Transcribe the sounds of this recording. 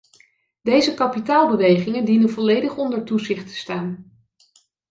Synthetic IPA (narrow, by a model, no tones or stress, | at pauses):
d̥ejzəkɑpitaːlˠbəʋejχɪŋəndinənvɔlejdəχɔndəɹtuzɪχtə̥staːn